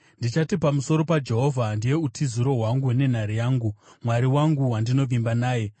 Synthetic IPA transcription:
ndit͡ʃatipamuso̞ɾo̞pad͡ʒe̞ɦo̞vʱandije̞utʰiziɾo̞ɦwaŋɡune̞n̤aɾijaːŋɡumwaɾiwaŋɡuwandino̞vimbanaːje̞

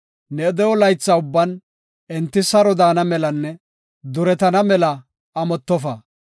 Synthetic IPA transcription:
nɛd̪ɛwɔlɐjt͡sːɐʊbːɐn | ɛnt̪ːɪsɐɾɔd̪aːnɐmɛlɐnːɛ | d̪ʊɾɛt̪ɐnɐmɛlɐː | mɔt̪ːɔfɐ

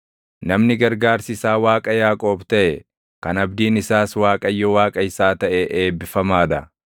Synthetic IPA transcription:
nɐmnɪɡɐɾɡaːɾsɪsaːwaːkʼɐjaːkʼoːbt̪ɐʔɛ | kɐnɐbd̪iːnɪsaːswaːkʼɐjːɔwaːkʼɐɪsaːt̪ɐʔɛʔeːbːɪfɐmaːd̪ɐ

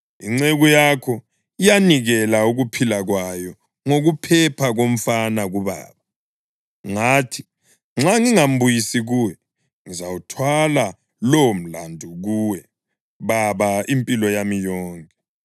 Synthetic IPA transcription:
iŋ͡ǀeɣujakʰɔ | ijaniɣɛlauɣupʰilaɣwajɔ | ŋoɣupʰɛpʰaɣom̩fanaɣuβa̰ːβa | ŋaːtʰi̥ | ŋ͡ǁaŋiŋam̩bujisiɣuwɛ | ŋizawutʰwala | lom̩landʱuɣuːwɛ | βaβaimpʼilɔjamijɔːŋkʼɛ

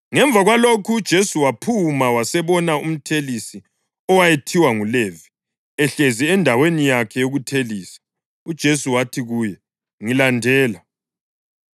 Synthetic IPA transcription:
ŋɛɱb̪vʱaɣwalokʰuːd̥ʒ̥ʱesuwapʰumawasɛβɔnaum̩tʰelisi | ɔwajetʰiwaŋulevi | ɛɬeziɛndʱawenijakʰɛjoɣutʰeliːsḁ | ud̥ʒ̥ʱesuwatʰiɣuːjɛ | ŋilandʱɛːla

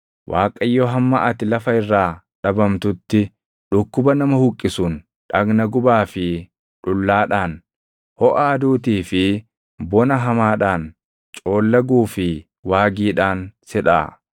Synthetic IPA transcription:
wʔaːkʼɐjːoɦɐmːaʔɐt̪ɪlɐfɐɪrːaː | ᶑɐbɐmt̪ʊt̪ːɪ | ᶑʊkːʊbɐnɐmɐhʊkʼːɪsuːn | ᶑɐɡnɐɡʊbaːfɪ | ᶑʊlːaːᶑaːn | hɔʔaːd̪uːt̪iːfɪ | bɔnɐɦɐmaːᶑaːn | t͡ʃʼo̞ːlːɐɡuːfɪ | waːɡiːᶑaːnsɛᶑa̰ː

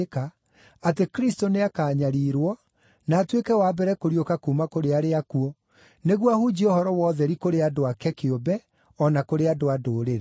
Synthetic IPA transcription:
ka | atekɾistoneakaːɲaɾiːɾwɔ | naːtwekɛwaːbɛɾɛkoɾiokakumakoɾeaɾeakuɔ | neɣwahud͡ʑiohɔɾɔwɔːðɛɾikoɾeadoakɛkeobɛ | ɔnakoɾeadoadoːɾeɾe

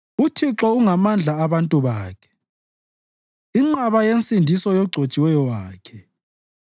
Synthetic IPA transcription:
utʰiǁɔuŋamand͡ɮʱaːβantʼuβaːkʰɛ̥ | iŋ͡ǀaβajensʼindʱisɔjɔɡ͡ǀʱot͡ʃʼiwɛjɔwaːkʰɛ

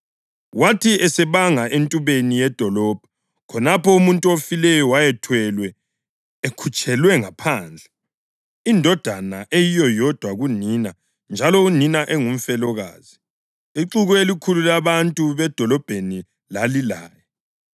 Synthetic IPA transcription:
watʰiɛsɛβaŋaʔentʼuβenijɛd̥ʱɔlɔːb̥ʱɔ | kʰɔnapɔumuntʼuofilɛjɔwajɛtʰwɛlwɛ | ekʰut͡ʃʼɛlwɛŋapʰaːnd͡ɮʱɛ | indʱɔd̥ʱanaʔejijɔjɔd̥ʱwaɣunina | nd͡ʒʱalɔuninaʔeŋum̩fɛlɔɣa̰ːz̥i | iǀuɣɔelikʰululaβantʼuβɛd̥ʱɔlɔb̥ʱeni | lalilaːjɛ

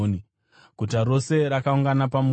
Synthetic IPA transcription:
ni | kutaro̞se̞ɾakauŋɡanapam

